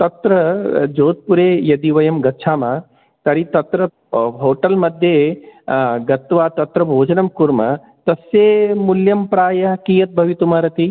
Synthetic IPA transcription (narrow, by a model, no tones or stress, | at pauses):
t̪ɐt̪ɾɐd͡ʒoːt̪̚puɾeːjɐd̪iʋɐjɐmɡɐtːʃʰaːmaː | t̪ɐɾit̪ɐt̪ɾɐ | ɦoːʈɐlmɐd̪ʱje | ɡɐt̪ʋaːt̪ɐt̪ɾɐbʱoːd͡ʒɐnɐmkuɾmɐ̰ | t̪ɐsjeːmuljɐmpɾaːjɐɦkijɐt̪̚bʱɐʋit̪umɐɾɐt̪i